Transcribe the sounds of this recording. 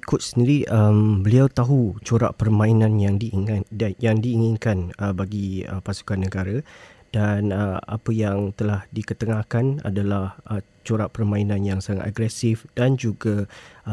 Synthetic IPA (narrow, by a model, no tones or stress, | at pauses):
ikʊt̪̚səndiɾiʔəmbəliawt̪aɦut͡ʃoɾa̰ʔpərmãinãnjaŋdi | jaŋdiːŋinkanəbaɡiə̰pasu̥kanːəɡaɾa | d̥anəa̰pəjaŋt̪əlahdikət̪əŋahkana̰dalahə | t͡ʃoɾaʔpərmãinãnjaŋsaŋat̪aɡɾɛsifd̥and͡ʒuɡa